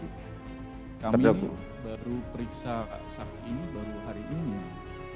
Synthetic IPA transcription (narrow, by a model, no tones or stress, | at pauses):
kamia̰ | baɾupəɾiksa̰ | saksiinibaɾuɦaɾiʔːni